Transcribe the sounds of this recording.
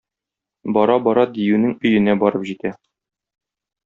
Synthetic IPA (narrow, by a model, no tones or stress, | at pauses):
bɒɾɑbɒɾɑd̪ijʉnɘŋɵ̆jɘ̆næbɒɾɤpʑit̪æ